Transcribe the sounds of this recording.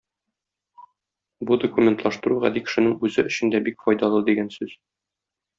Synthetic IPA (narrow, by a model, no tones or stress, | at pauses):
bud̪okumʲe̞nt̪lˠɑʃt̪ɤ̆ɾuʁɑ̰d̪ikɘ̥̆ʃɘ̆nɘŋʉzɘɵ̆ɕɘ̆nd̪æbikfɒjd̪ɑlˠɤd̪iɡænsʉz̥